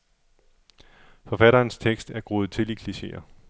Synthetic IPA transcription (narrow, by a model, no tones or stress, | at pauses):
fɒ̽fæɾɐːnst͡sʰeɡ̥sd̥æɐɡ̥ʁoːð̞̩ˠt͡sʰe̝likʰliɕe̝̰ɐ